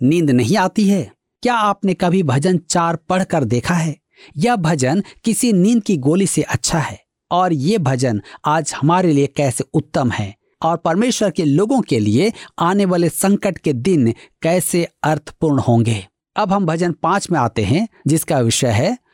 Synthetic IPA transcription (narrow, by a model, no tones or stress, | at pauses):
nĩːnd̪nɐɦĩaːt̪iɦɛː | kjaaːpnekɐbʱibʱɐd͡ʒənt͡ʃaːɾpɐɽ̤kəɾd̪eːkʰaɦɛː | jɐbʱɐd͡ʒənkɪsinĩːnd̪̚kiɡoːliseʔɐtːʃʰaɦɛː | ɔːɾjebʱɐd͡ʒənaːd͡ʒhɐmaːɾeliekɛːseʊt̪ːəmhɛ̰ː | ɔːɾpɐɾmeːʃwəɾkeloːɡõkelieaːneʋaːlesɐ̃ŋkəʈked̪ɪnkɛːseɐɾt̪ʰə̥pʊɾɳhõːŋɡeː | ɐbɦɐ̃mbʱɐd͡ʒənpãːt͡ʃmẽaːt̪eɦɛ̃d͡ʒɪskaʋɪʃəɦɛː